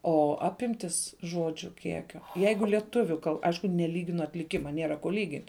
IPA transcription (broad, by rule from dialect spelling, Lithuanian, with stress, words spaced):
oː ˈɑːpʲɪmʲtʲɪs ˈʒoːd͡ʒʲʊ ˈkʲiɛkʲoː ˈjɛɪɡʊ lʲiɛˈtʊʋʲʊ kɐlˠ ˈɐɪʃkʊ nʲɛˈlʲiːɡʲɪnʊ ɐtʲlʲɪˈkʲɪmɐ ˈnʲeːrɐ koː ˈlʲiːɡʲɪnʲtʲ